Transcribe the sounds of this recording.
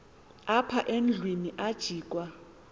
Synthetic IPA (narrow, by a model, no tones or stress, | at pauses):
apʰaʔend͡ɮʱwiniʔad̥ʒ̥ʱiːkʼwa